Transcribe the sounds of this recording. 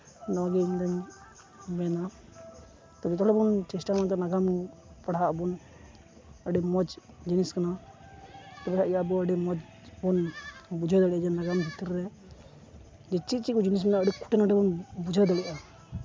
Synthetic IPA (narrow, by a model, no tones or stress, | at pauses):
nɔɡɛiɲd̪ɛɲ | mɛna | t̪ɔd͡ʒɛt̪ɔlɛbɔnt͡ʃɛsʈamant̪ɔnaɡampaɽaʔbɔn | əɖɛmɔd͡ʒ | d͡ʒiniskana | t̪ɛbɛkʰaʔijabɔəɖɛmɔd͡ʒ | bɔnbud͡ʒʱad̪aɽiʔad͡ʒɛnaɡambʱit̪iɾɾɛ | d͡ʒɛt͡ʃit̪̚t͡ʃikɔd͡ʒinis̬mɛnaəɖiku̥ʈɛnaɖɛbɔnbud͡ʒʱəd̪aɽiʔa